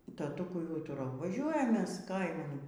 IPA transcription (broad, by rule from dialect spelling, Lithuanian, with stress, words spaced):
tɐˈtʊkʊɪ ˈuːtʊrɐʊ ʋɐˈʒʲuɔjɛm ˈmʲɛs ˈkɐɪmɐn